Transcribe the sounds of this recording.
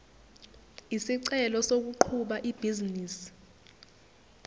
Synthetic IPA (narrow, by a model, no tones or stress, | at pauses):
isiǀɛlɔsok̬uǃʰuɓaʔib̥ʱiziniːsi̥